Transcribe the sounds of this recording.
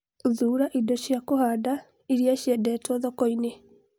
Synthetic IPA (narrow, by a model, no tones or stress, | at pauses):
ðuːɾaʔidɔɕjakohada | iɾiaɕjɛdɛtwɔðɔkɔine